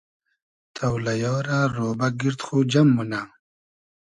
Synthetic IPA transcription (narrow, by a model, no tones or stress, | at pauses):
t̪ʰawlajɔːɾaɾoːbaɡiɾt̪xud͡ʒamːuna